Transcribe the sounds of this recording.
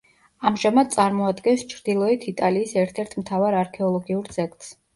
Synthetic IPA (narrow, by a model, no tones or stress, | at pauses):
amʒamad̪̚t̪sʼaɾmɔad̪ɡɛnst͡ʃʰɾd̪ilˠɔit̪ʰit̪ʼaliːsɛɾt̪ʰɛɾt̪ʰmt̪ʰavaɾaɾkʰɛɔlˠɔɡiuɾzɛkʰʼt̪ʼs